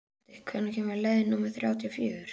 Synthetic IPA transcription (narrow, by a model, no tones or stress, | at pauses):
t̪ɪkʰvɛnːʏçɛmvaɾlɛðɪnːuːmɛ̥θɾʲjaːwt̪ʰiɔfjʏːʏɾ̥